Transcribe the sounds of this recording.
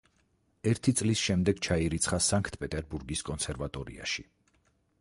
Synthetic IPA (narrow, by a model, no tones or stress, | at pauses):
ɛɾt̪ʰit̪sʼlisʃɛmd̪ɛɡ̥t͡ʃʰaiɾit̪sʰχasaŋkʰt̪ʰpʼɛt̪ʼɛɾbuɾɡiskʼɔnsʰɛɾvat̪ʼɔɾḭa̰ʃi̥